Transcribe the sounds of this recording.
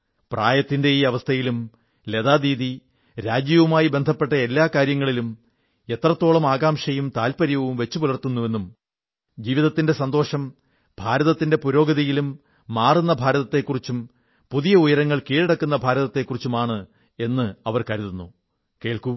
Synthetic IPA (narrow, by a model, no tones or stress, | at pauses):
praːjɐt̪ːinde̞iːɐʋɐst̪ʰɐjilum | le̞ðaːðiːði | ɾaːd͡ʑjɐʋumaːjibe̞nd̪ʱɐpːe̞ʈːɐe̞lːaːkaːɾjɐŋːɐɭilum | e̞t̪rɐt̪ːo̞ːɭɐmaːɡaːmʂɐjumt̪aːlpɐɾjɐʋumʋe̞t͡ɕːupulɐrt̪unːuʋe̞nːum | d͡ʑiːʋiðɐt̪ːinde̞sɐnd̪o̞ːʂɐm | b̥ʱaːɾɐðɐt̪ːinde̞puɾo̞ːɡɐðɐjilumː | aːrunːɐbʱaːɾɐðɐt̪ːe̞kːurit͡ɕːum | puðijɐujɐɾɐŋːɐɭkiːɻiɽɐkːunːɐbʱaːɾɐðɐt̪ːe̞kːurit͡ɕːumaːɳɨ | e̞nːɨɐʋɐrkɐɾuðunːu | ke̞ːɭku